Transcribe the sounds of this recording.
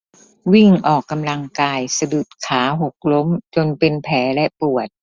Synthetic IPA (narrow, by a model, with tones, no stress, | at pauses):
wi˥˩ŋʔɔː˨˩kːa˧mla˧ŋkaː˧jsa˧du˨˩t̪̚kʰaː˩˦ɦo˨˩k̚lo˦˥mt͡ɕo˧npe˧npʰɛː˩˦lɛ˦˥pu˨˩ət̪̚